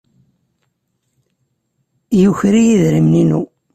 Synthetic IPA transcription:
juçɾijiðɾimninṵ

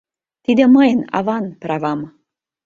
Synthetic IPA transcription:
t̪id̪ʲeməjna̰vanpɾavam

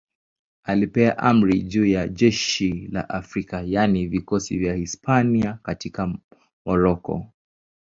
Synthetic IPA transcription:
alipɛaʔam̩ɾiʄuːjaʄɛʃila̰ʔafɾikajanivikɔsḭvjahispʰaniakatika | mɔɾɔkɔ̰

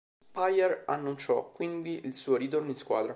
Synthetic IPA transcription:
pajɛranːunt͡ʃɔkːwind̪iʔilsuːoɾit̪orninskwaːd̪ɾa

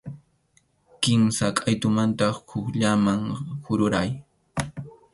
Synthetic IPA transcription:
kɪmsakʼajt̪ʊmant̪ɑχhʊkʎamaŋhʊɾʊɾaj

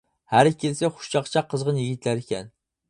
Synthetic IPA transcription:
hæɾkʲʰelseχʊ̥ʃt͡ʃɑqt͡ʃʰɑqːəzʁənjɪɡʲɪt̪læɾikʲʰɛ̰n

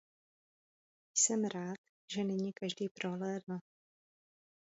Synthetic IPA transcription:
jsɛmɾaːt̪ | ʒɛnɛɲikaʒdiːpɾoɦlɛdn̩

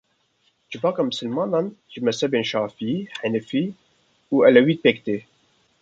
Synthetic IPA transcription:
d͡ʒɨvɑːkɑːmɨsɨlmɑːnɑnʒɨmɛsɛbeːnʃɑːfiħɛnɨfiː | uːɛlɛwiːd̪̚peːkt̪eː

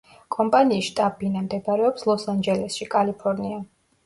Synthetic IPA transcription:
kʼɔmpʼaniːsʃt̪ʼabinamd̪ɛpaɾɛɔpslˠɔsand͡ʒɛlɛsʃikʼalipʰɔɾnia

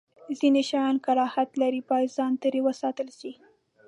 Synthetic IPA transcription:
zineʃɑjɑnkalɑhat̪laɾipɑjzɑnt̪əɾewəsɑt̪əlʃi

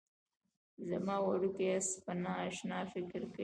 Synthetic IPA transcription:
zamɑwaɽukeaspanɑːʃnɑfɪkɪɾka

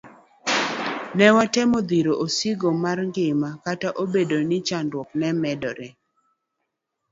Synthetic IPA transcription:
nɛwatɛmod̪iɾoʔosiɡomarŋɡɪmakataʔobedonɪt͡ʃandwɔk̚nɛmɛdɔɾɛ

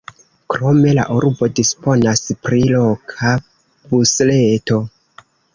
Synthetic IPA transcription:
kɾo̞me̞la̰ʔuɾbo̞dispo̞naspɾilo̞kʰa | busle̞to̞

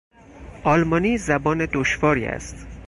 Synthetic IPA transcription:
ʔɒːlmɒːniːzæbɒːned̪oʃvɒːɾiːæ̰st̪

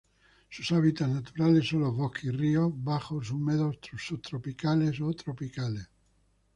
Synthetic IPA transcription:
susaβit̪asnat̪uɾalesːolovokʰiriobaxos̬umeðost̪sot̪ɾopikalesot̪ɾopikales

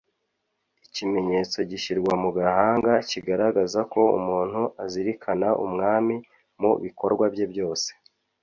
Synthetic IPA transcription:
icime̞ɲe̞t͡so̞ɟiʃiɾɡwamuɡahaːŋɡaciɡaɾaɡazako̞ṵmuːn̥huaziɾikʰanaʔṵmŋaːmi | mṵβiko̞ɾɡwabje̞bjo̞ːse̥

